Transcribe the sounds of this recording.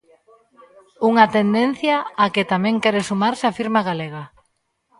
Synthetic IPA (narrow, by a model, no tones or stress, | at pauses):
uŋat̪end̪en̟θjaːket̪amɛ̃ŋkɛɾesumaɾsɪafiɾmaɣaleɣ̞a